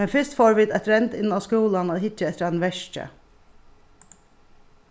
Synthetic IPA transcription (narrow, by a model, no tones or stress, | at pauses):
mɛnfɪst̪foːɹʋɪd̪æt̪ɾɛnt̪ɪnːaʋskuːlanaðhɪt͡ʃːəɛt̪ːəɾanʋɛʂt͡ʃə̰